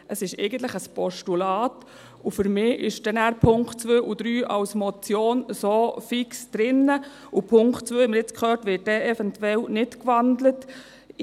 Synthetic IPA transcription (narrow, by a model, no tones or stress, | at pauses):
ʔəsɪʃɛ̰ɪɡən̩t̪ləχəspɔʃtulɑːt | ufʏɾmɪːʔɪ̰ʃd̥ɛnæːɾpʰʊŋktt͡sʋøːʔud̥̪ɾyːʔɑwsmɔt͡sjoːnsoːfɪksd̥ɾɪnːə | upʰʊŋktt͡sʋøːhɛməɾjɪt͡skχøːtʋɪːt̚dɛːʔɛfɛntwɛlnɪtkʋɑndlət